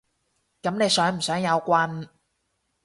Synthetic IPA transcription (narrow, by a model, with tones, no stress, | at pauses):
kɐ˨˥mne˨˧jsœː˨˥ŋm̩˨˩sœː˨˥ŋjɐ˨˧wkʷɐ˧n